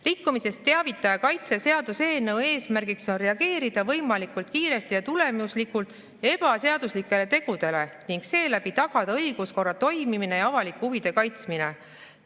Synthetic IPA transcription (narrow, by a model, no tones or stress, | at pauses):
rikːumise̞st̪ːeɑvit̪ːˑɑjɑkɑjt̪se̞se̞ɑd̪̥use̞ːnewe̞ːsmærɡikso̞nre̞ɑɡ̥e̞ːɾid̪̥ɑvɤ̞jmɑlikult̪̚kiːɾe̞st̪ijɑt̪ule̞muslikult̪ˑ | e̞b̥ɑse̞ɑd̪̥uslikːˑe̞le̞t̪e̞ɡ̥ud̪e̞le̞niŋɡse̞ːlæbit̪ɑɡ̥ɑd̪ɑɤjɡ̥usko̞rːɑt̪o̞jmimine̞jɑɑvɑlikːˑuvid̪̥e̞kɑjt̪smine̞̰